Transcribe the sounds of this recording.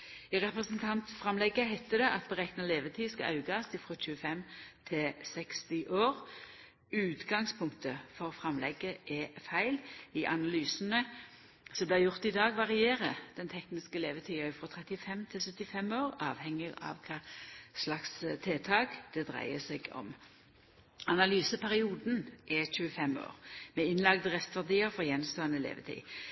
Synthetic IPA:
ɪʁɛpʁəɛsənt̪ʰɑnt̪fʁɑmlɛɡːəhæɪt̪əd̪ɛʔɑt̪̚bəʁɛknɑleːʋət̪ʰiːskɑ̰ʔɑ̰ʉɡɑsɪfʁoːc͡çʉəfɛmt̪ʰɪsɛkst̪ɪʔoːʁ | ʉːt̪ɡɑŋspʰʊŋk̚t̪əfɔʁfʁɑmlʔɛ̰ɡəʔɛfæɪlɪʔɑnɑlyːsənə | sɔmblæjʊʁt̪ɪd̪ɑːɡʋɑʁɪeːʁəd̪̥ɛnt̪ʰɛknɪskəɛleːʋət̪ʰiːɑɪfʁɔt̪ʰʁɛt̪ɪfɛmt̪ʰɪlsœt̪ːɪfɛmoːʁɑːʋhɛŋɪɡɑ̰ʋkʰɑːslɑkst̪ʰeːt̪ʰɑːkd̪̥ɛd̪ʁæ̰ɪəsɛɡɔ̰m | ɑnɑlyːsəpʰæʁɪuːd̪n̩ʔɛçʉːəfɛmo̰ːʁmɛɪnlɑɡd̪əʁɛst̪ʋæʁd̪iːəfɔʁjɛnːmst̪oːənəlḛːʋə̰t̪ʰḭː

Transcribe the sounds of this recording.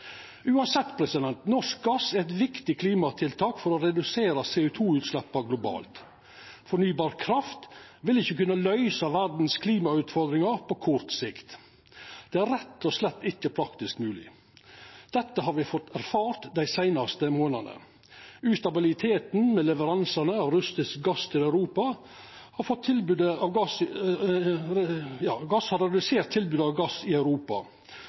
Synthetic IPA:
ʉːɑnsɛt̪ːpʰɾɛsɪd̪ɛnt̪nɔʂkɡɑsæɾɛt̪ʋɪkt̪ɪkʰliːmɑt̪ʰɪlt̪ʰɑːkfɔɾɔɾɛd̪ʉseːɾəseːʊːt̪ʰuːʉːt̪slɛpːɑɡlʊbɑ̰ːlt̪ | fɔɳyːbɑːɾkʰɾɑft̪ʋɪlɪçːəkʉnːəlœʏsɑʋæɾd̪n̩skʰliːmɑʉːt̪fɔɾd̪ɾɪŋɑɾpʰɔkʰʊɾt̪sɪkt̪ | d̪̥ɛæɾːɛt̪ːɔslɛt̪ːɪçːəpʰɾɑkt̪ɪskmʉːlɪ̰ | d̪̥ɛt̪ːəɦɑɾʋɪfɔt̪ːæɾfɑːɾt̪d̪æɪsæɪnɑst̪əmoːnɑnə̰ | ʉːst̪ɑbɪlɪt̪ʰeːt̪n̩mɛlɛʋəɾɑnsɑnəɑʋɾʉst̪ɪsk̚ɡɑst̪ʰɪlæʉɾuːpɑ | hɑɾfɔt̪ʰːɪlbʉd̪əɑʋɡɑs | jɑːɡɑshɑɾɛd̪ʉseːɾt̪ʰːɪlbʉːd̪əɑʋɡɑsɪœʉɾuːpɑ̰

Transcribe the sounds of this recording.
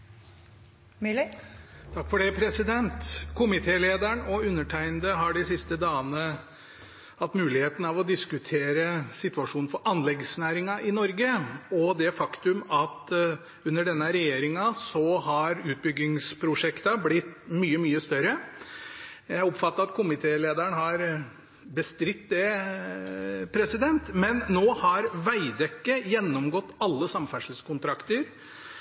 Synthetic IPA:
t̪ʰɑkːfɔɖɛpʰɾɛsɪd̪ɛnt̪kʰʊmɪt̪ʰeːleːd̪æɳɔʉnːəʈʰæɪnd̪əɦɑɖɪsɪst̪əd̪ɑːənə | hɑt̪mʉːlɪheːt̪n̩ɑʋɔd̪ɪskʉt̪ʰeːɾəsɪt̪ʉɑʂuːnn̩fɔɾʔɑnlɛɡsnæːɾɪŋɑʔɪnɔɾɡəɔd̪ɛfɑkt̪ʉmɑt̪ | ʉnːəɖɛnːəɾɛjeːɾɪŋɑsɔhɑɾʉːt̪̚bʏɡːɪŋspʰɾʊʂɛkt̪ɑblɪt̪ːmyːəmyːəst̪œɾə | jæɪɔpfɑt̪ːəɾɑt̪̚kʰʊmɪt̪ʰeːleːd̪æɳhɑɾ | bəst̪ɾɪt̪ːd̪ɛ | pʰɾɛsɪd̪ɛnt̪mɛnːoːhɑɾʋæɪd̪ɛkːəjɛnːɔmɡɔt̪ːɑlːəsɑmfæʂəl̩skʊnt̪ʰɾɑkt̪əɾ

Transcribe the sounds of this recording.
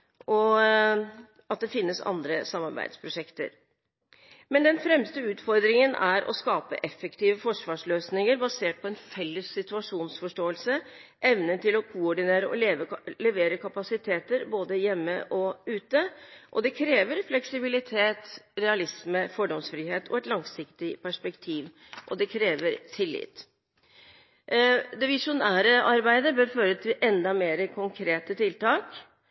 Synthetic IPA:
ɔ | ɑt̪̚d̪ɛfɪnːəsɑ̰nd̪ɾəsɑmːɑɾbæ̰ɪd̪spʰɾʊʂɛkt̪ə̰ɾ | mɛnd̪ɛnfɾɛmst̪əʉːt̪fɔɾd̪ɾɪŋənʔæɾʔɔ̰skɑːpə̰ʔɛfːɛkt̪iːʋəfɔʂʋɑːʂløːsnɪŋəɾbɑseːʈ̚pʰɔɛnfɛlːəsːɪt̪ʉɑʂuːnsfɔʂʈoːəlsəʔɛʋnət̪ɪlɔkʰʊɔɖɪneːɾəʔɔleːʋəlɛʋeːɾəkʰɑpɑsɪt̪ʰeːt̪əɾboːd̪əjɛmːə̰ʔɔʉːt̪əʔɔd̪ɛkʰɾeːʋəɾflɛksɪbɪlɪt̪ʰeːt̪ɾɛɑlɪsməfɔɖɔmsfɾiːheːt̪ʰɔɛt̪lɑŋsɪkt̪ɪpæʂpɛkt̪ʰiːʋ | ʔɔd̪ɛkʰɾeːʋəɾt̪ʰɪlːɪ̰t̪ | d̪ɛʋɪʂʊnæːɾəʔɑɾbæɪd̪əbøːɾføːɾət̪ʰɪlʔɛnd̪ɑmeːɾəkʰʊŋkʰɾeːt̪ət̪ɪlt̪ɑːk

